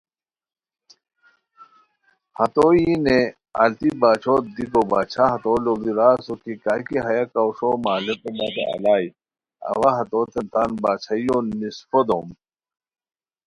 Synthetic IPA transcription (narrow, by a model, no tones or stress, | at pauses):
hɐt̪ojine | ɐ̰lt̪ibaːt͡ɕʰoːd̪ikobaːt͡ɕʰaɦɐt̪olod̪iɾaːsokikaːkiɦɐjakauʂomaːlekumat̪ḛʔɐ̰laːj | ɐ̰ʋaɦɐt̪oːt̪ent̪aːnbaːt͡ɕʰajonisfod̪om